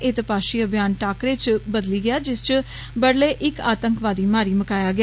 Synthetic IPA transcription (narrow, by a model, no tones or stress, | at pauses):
ʔeːt̪ɪpaːʃiːəbjaːnʈaːkɾeːt͡ʃbəd̪liːɡɪjaːd͡ʒɪst͡ʃ | bəɽleːʔɪkaːt̪əŋkʋaːd̪iːmaːɾiːməkaːjaːɡɪ